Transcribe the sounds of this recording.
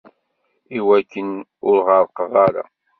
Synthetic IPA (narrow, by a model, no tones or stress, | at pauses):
iwækːənʊɾʁəɾˤqəvæɾa̰